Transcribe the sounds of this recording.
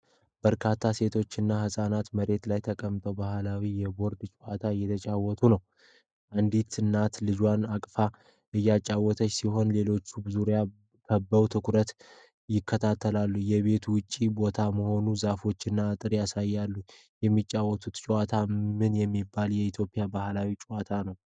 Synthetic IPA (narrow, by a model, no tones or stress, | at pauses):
b̥əɾkʰat̪ʰːase̞t̪ʰo̞t͡ʃːɪnːahɨsʼanat̪məɾe̞t̪lajt̪ʰəkʼəmt̪ʼəwbahlawijɛbo̞ɾd̪t͡ʃʼuat̪ʰajːɛt̪ʰət͡ʃʼawɔt̪ʰunəw | ʔand̪it̪ʰɨnːat̪lɨd͡ʒwanakʼfa | ʔɨjːat͡ʃʼːawːɔt̪ʰəsiɦo̞nle̞lo̞t͡ʃːubɨzuɾja | kʰəbːəwt̪ʰɨkɾət̪ | jɪkːət̪ʰat̪ʰːəlalːujɛβe̞t̪ʰwʊt͡ʃʼːibo̞t̪ʰaməho̞nuzafo̞t͡ʃːɨnːaːt̪ʼɨɾjasajːalːu | jɛmːit͡ʃʼːawːɔt̪ʰut̪t͡ʃʼuwat̪ʰamɨnjɛmːibːaljɛit̪ʰjo̞pʼɪjabahlawit͡ʃʼuwat̪ʰanəw